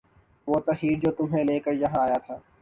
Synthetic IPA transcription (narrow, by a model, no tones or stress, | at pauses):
ʋoːt̪ɐɦiːɾd͡ʒoːt̪ʊmɦẽleːkəɾjɐɦãaːjat̪ʰaː